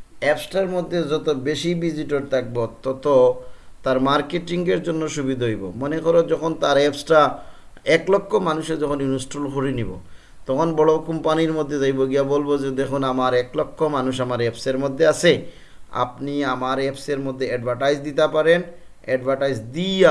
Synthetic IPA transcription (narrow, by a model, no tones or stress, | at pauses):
ɛpsʈaɾmod̪ʱːed͡ʑɔt̪obeʃibid͡ʑiʈoɾt̪ʰak̚bot̪ɔt̪ot̪aɾmaɾkeʈiŋɡeɾd͡ʑonːoʃubid̪ʱaɦojbo̰monekɔɾod͡ʑɔkʰont̪aɾɛpsʈa | ɛklɔkʰːomanuʃed͡ʑɔkʰonunosʈɾolxuɾinibo̰ | t̪ɔkʰonbɔɭokɔmpaniɾmod̪ʱːed͡ʑajboɡiabolbod͡ʑed̪ekʰunamaɾɛklɔkʰːomanuʃamaɾɛpseɾmod̪ʱːeat͡ɕʰe | a̰pniamaɾɛpseɾmod̪ʱːeɛɖbʱaɾʈajd͡ʑd̪it̪apaɾen | ɛɖbʱaɾʈajd͡ʑd̪ia